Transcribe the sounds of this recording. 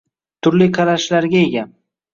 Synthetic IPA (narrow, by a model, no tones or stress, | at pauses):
t̪ʰʊɾliqʰɑɾaʃlaɾɡʲaeɡʲa